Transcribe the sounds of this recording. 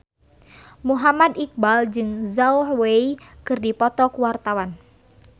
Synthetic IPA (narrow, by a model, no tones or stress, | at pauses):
muɦamad̪ik̚bald͡ʒɨŋzaʊhweikɨrdipɔt̪ɔkuwart̪awan